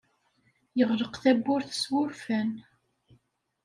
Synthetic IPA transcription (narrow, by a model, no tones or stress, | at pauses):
jəʁləqθæbːʊɾθə̥swʊɾfæn